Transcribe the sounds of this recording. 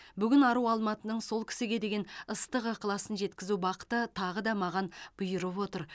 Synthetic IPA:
bʏɡʲɪnɑɾuwɑlˠmɑt̪ənəɴso̞lˠkʲʰɪ̥sɪɡʲe̞d̪e̞ɡʲe̞nəst̪əqɑqʰəlˠɑsənʒe̞t̪kʲɪzubɑqə̥t̪ət̪ʰɑʁəd̪ɑmɑʁɑnb̥ʊjəɾəpwo̞t̪əɾ

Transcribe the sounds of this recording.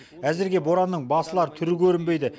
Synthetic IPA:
æzɪɾɡʲe̞bo̞ɾɑnːəɴbɑsəlˠɑɾət̪ʰʏɾɪkʲʰɵɾɪmbe̞jd̪ɪ

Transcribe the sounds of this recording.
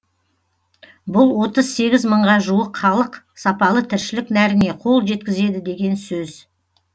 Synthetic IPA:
bʊlˠwo̞t̪əzse̞ɡʲɪzməɴʁɑʒuəqχɑlˠəq | sɑpɑlˠət̪ʰɪɾʃɪlɪknæɾɪne̞qʰo̞lˠʒe̞t̪̚kʲɪze̞d̪ɪd̪e̞ɡʲe̞nsɵz̥

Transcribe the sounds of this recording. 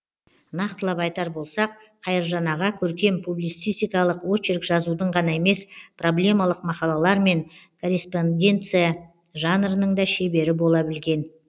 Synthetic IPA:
nɑqt̪əlˠɑpɑjt̪ɑɾbo̞lˠsɑq | qʰɑjəɾʒɑnɑʁɑkʲʰɵɾkʲe̞mpʰublijt̪sɨjst̪ijkɑlˠəqwo̞t͡ʃɪɾkʒɑzud̪əɴʁɑnɑe̞me̞spʰro̞blʲe̞mɑlˠəqmɑqɑlˠɑlˠɑɾme̞ŋkʰo̞ɾʲespo̞ndʲe̞nt̪sɨja | ʒɑnɾənəɴd̪ɑʃe̞be̞ɾɪbo̞lˠɑbɪlɡʲe̞n

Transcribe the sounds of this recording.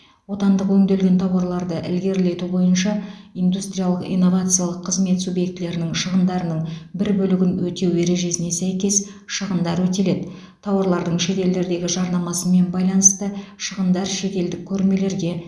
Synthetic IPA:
wo̞t̪ɑnd̪əqwɵŋd̪e̞lɡʲe̞nt̪ʰɑwɑɾlˠɑɾd̪əʔɪ̰lɡʲe̞ɾle̞t̪ubo̞jənʃɑijnd̪ust̪ɾʲijalˠəqḭjnːo̞vat̪sɨjalˠəqʰːəzme̞t̪subje̞kt̪ɪle̞ɾɪnɪŋʃəʁənd̪ɑɾənəɴbɪɾbɵlɪɡʲɪnwɵt̪e̞we̞ɾe̞ʒe̞sɪne̞sæjkʲe̞s | ʃəʁənd̪ɑɾwɵt̪e̞le̞d̪ɪ | t̪ʰɑwɑɾlˠɑɾd̪əɴʃe̞t̪e̞ld̪e̞ɾd̪e̞ɡʲɪʒɑɾnɑmɑsəme̞nbɑjlˠɑnəst̪əʃəʁənd̪ɑɾʃe̞t̪e̞ld̪ɪkʲʰːɵɾme̞le̞ɾɡʲe̞

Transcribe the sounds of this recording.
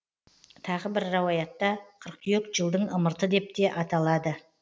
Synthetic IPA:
t̪ʰɑʁəbɪɾːɑwɑjɑt̪ːɑqʰəɾq̪̚jekʒəlˠd̪əɴəməɾt̪əd̪e̞p̚t̪e̞ʔɑt̪ɑlˠɑd̪ə

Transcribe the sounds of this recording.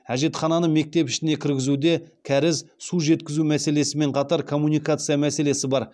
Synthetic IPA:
æʒe̞t̪χɑnɑnəme̞k̚t̪e̞pɪʃɪne̞kʲʰɪɾɡʲɪzud̪e̞kʲʰæɾɪzsuʒe̞t̪kʲɪzumæse̞le̞sɪme̞ɴqʰɑt̪ɑɾkʰo̞mːunijkat̪sɨjamæse̞le̞sɪbɑɾ

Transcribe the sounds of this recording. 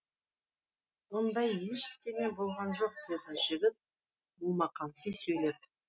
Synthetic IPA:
wond̪ɑjːelʲʃɪ̥k̚t̪eme̞bo̞lˠʁɑnʒo̞q̚d̪ed̪əʒɪɡʲɪp̚ | mulˠmɑqɑnsisɵjlep̚

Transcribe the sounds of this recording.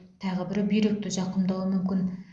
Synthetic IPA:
t̪ʰɑʁəbɪɾbijɾek̚t̪ɪʒɑqəmd̪ɑlˠəmʏmkʲɪn

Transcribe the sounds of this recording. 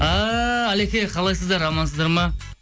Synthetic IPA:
aælekʲeqʰɑlˠɑjsəzd̪ɑɾːɑmɑnsəzd̪ɑɾmɑ

